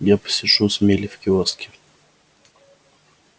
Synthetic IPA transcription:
japə̥sʲɪʂusmʲelʲɪfkʲɪɔskʲɪ̥

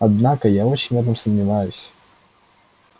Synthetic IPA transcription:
ɐd̪nakəjao̞t͡ɕɪnʲvɛt̪̬əmsəmnʲɪvajʊsʲ

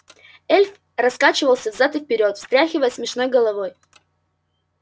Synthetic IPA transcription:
elʲf | rɐskat͡ɕɪvəlˠsʲəvzat̪ɨfʲpʲɪɾʲo̞t̪fst̪ɾʲaxʲɪvəjəsmʲɪʂno̞jɡəlˠɐvoj

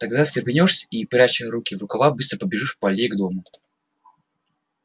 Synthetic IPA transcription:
t̪ɐɡd̪asʲɪbʲɪnʲoʂsʲipɾʲat͡ɕəɾukʲɪvʊkavabɨst̪ɾəpəbʲɪʐɨʂpɐlʲeɡd̪omʊ

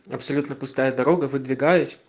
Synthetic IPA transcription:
ɐpsɐlʲut̪nəpʊst̪ajɐd̪ɐɾoɡəvɨd̪vʲɪɡajʊsʲ

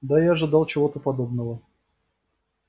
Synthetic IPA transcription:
d̪ajaːʐɨd̪ɑlˠt͡ɕɪvo̞t̪əpɐd̪obnəvə

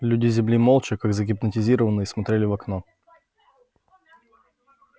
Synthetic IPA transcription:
lʲʉdʲɪzʲɪmlʲimolˠt͡ɕɪkaɡzəɡʲɪpnətʲɪzʲiɾəvənːɨjəsmɐt̪ɾʲelʲɪvɐkno

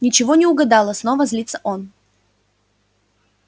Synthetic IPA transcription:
nʲɪt͡ɕɪvonʲɪʊɡɐd̪ɑlˠəsno̞vəzʲlʲit̪sə̥ʔon

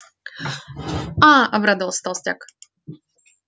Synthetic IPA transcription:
aʔɐbɾad̪əvɐlˠsʲt̪alˠsʲtʲa̰k

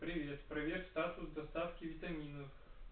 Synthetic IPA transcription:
pɾʲɪvʲet̪pɾɐvʲerʲtʲst̪at̪ʊsd̪ɐst̪afkʲɪvʲɪt̪ɐmʲinəf

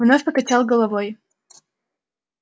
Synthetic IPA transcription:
vnofʲpəkɐt͡ɕalˠɡəlˠɐvoj

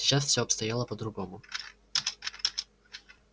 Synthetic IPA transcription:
ɪ̥t͡ɕasfsʲoɐpst̪ɐjalˠəpəd̪ɾʊɡomʊ

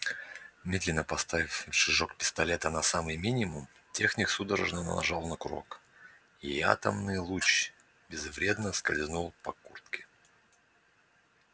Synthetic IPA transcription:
mʲed̪lʲɪnːəpɐst̪avʲɪfʲfʲʂɨʐok̚pʲɪ̥st̪ɐlʲe̞t̪ənɐsamɨjmʲinʲɪmʊm | tʲe̞xnʲɪksud̪əɾəʐnənə̰nɐ̰ʐɑlˠnəkʊɾo̞̰k | ia̰t̪əmnɨjlˠut͡ɕ | bʲɪzvɾʲe̞d̪nəskɐlʲznulˠpɐkurt̪kʲɪ̥

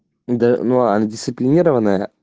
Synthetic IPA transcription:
d̪ɐnuɐ̰ndʲɪst̪sɨplʲɪnʲiɾəvənːəjə̰

